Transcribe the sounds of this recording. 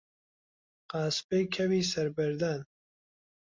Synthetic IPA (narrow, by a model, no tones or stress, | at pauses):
qɑːspejkʰɛviːsɐɾbɛɾd̪aːn